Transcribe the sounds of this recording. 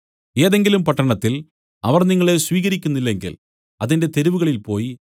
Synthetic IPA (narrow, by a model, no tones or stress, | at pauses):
e̞ːðe̞ŋɡilumpɐʈːɐɳɐt̪ːil | ɐʋɐrniŋːɐɭe̞sʋiːɣɐɾikʲːunːilːe̞ŋɡḭl | ɐðinde̞t̪e̞ɾuʋuɣɐɭilpo̞ːji